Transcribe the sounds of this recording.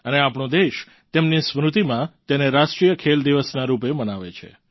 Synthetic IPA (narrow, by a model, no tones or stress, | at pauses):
əneapɳ̃od̪eʃ | t̪emnismɾut̪imãt̪eneɾaʃʈɾijəkʰeld̪iʋəsnaɾupemənaʋḛt͡ʃʰḛ